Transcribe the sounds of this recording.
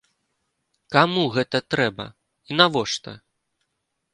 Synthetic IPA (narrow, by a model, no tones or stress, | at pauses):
kamuɣɛt̪ɐt̪ɾɛbɐ̰ | inavɔʂt̪ɐ